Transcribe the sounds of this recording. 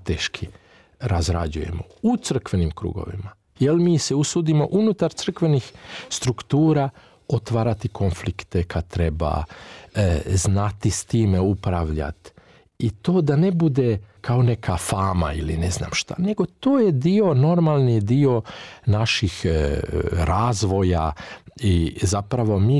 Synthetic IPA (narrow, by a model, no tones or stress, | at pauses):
t̪eːʃkʰi | ɾazɾa̰d͡ʑuje̞̰mo̞̰ | ut̪sr̩kʋe̞nimkɾṵːɡo̰ʋḭma | jelmiːseusuːd̪imo̞̰ʔunut̪aɾt̪sr̩kʋe̞nixst̪ɾukt̪uːɾaː | ot̪ʋaːɾat̪ikʰo̞nflikt̪ekʰat̪ɾeba̰ | znat̪ist̪iːmeupɾaʋʎa̰t̪ | it̪o̞ːd̪ane̞bud̪ekao̞ne̞kʰafaːma̰ilinezna̰ːmʃt̪a̰ne̞ɡo̞t̪oːje̞d̪io̞no̞ɾmalˠnid̪io̞naʃix | ɾaːzʋo̞ja̰izapɾaʋo̞miː